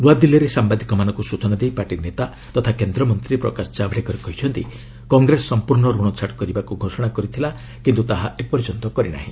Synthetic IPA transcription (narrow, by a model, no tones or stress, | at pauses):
luad̪ilɔɾesambad̪ikɔmanɔ̃ŋkusut͡ʃɔnad̪ejpaʈinet̪a | t̪ɔt̪ʰakend̪ɾɔmɔnt̪ɾipɾɔ̰kasɔ̥t͡ʃabʱɽekɔɾekɔɦit͡ʃʰɔnt̪ḭ | kɔŋɡɾesːɔmpuɾɳɔɾuɽ̃ɔt͡ʃʰaʈkɔɾibakuɡʱosɔɽ̃akɔɾit̪ʰila | kint̪ut̪aɦaepɔɾit͡ʃɔnt̪ɔkɔɾina̰ɦĩ